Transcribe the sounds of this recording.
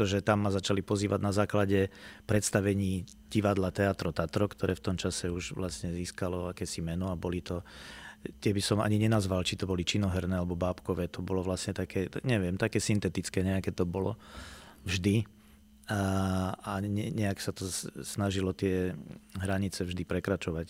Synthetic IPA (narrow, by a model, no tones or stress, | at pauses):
ɛt̪ɔʒɛt̪amːazat͡ʃalipɔziːʋaɟnazaːklaɟɛpɾɛt̪st̪aʋɛɲiː | ɟ̥iʋad̪lat̪ɛat̪ɾɔt̪at̪ɾɔkt̪ɔɾɛːft̪ɔmt͡ʃasɛuʒʋlasɲɛziːskalɔakɛːsimɛnɔabɔlit̪ɔ | t̪ɪɛbisɔma̰ɲiɲɛnazʋalt͡ʃit̪ɔbɔlit͡ʃinɔɦɛɾnɛːalɛbɔbaːpkɔʋɛːt̪ɔbɔlɔʋlasɲɛt̪akɛːɲɛʋɪɛmt̪akɛːsint̪ɛt̪it͡skɛːɲɛakɛːt̪ɔbɔlɔ̰ | vʒd̪i | aɲɛɲɛaksat̪ɔsnaʒilɔt̪ɪɛɦɾaɲit͡sɛvʒd̪ipɾɛkɾat͡ʃɔʋac